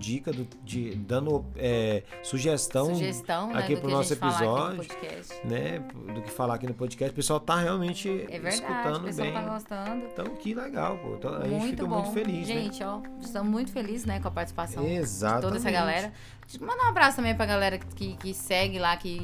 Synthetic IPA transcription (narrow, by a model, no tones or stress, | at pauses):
d͡ʒikɐd̪ʊ | d͡ʒɪd̪ɐ̃nd̪ʊɛ | suʒest̪ɐ̃w̃ʒest̪ɐ̃w̃na̰kɛikpɾʊnɔsʊepfpizaaɔd͡ʒpoʊd͡ʒikɛ̰st͡ʃɪnɛp | d̪ʊkɪfalakinʊpod͡ʒikɛst͡ʃɪ̥pesuawt̪aheawmẽnt͡ʃɪɛveɾsd̪aut̪ɐ̃nd̪ʊb̃j̃t̪aɡost̪ɐ̃d̪ʊt̪ɐ̃w̃kɪleɡa̰wpo̰ḛ̃t̪ɐ̃w̃a̰ʒẽt͡ʃũɪ̃jftfit̪kɐmũj̃t̪ʊfeliszʒẽt͡ʃɪɔɪst̪ɐ̃mũj̃t̪ʊ̥feliznɛkõɐpaɾt͡ʃɪsi̥pasɐ̃ezat̪od̪ɛɛsɐɡalɛɾɐ | mɐ̃d̪ũabɾasʊt̪ɐ̃mbẽj̃pɾɐɡalɛɾɐkɪkɪsɛɡɪlakɪ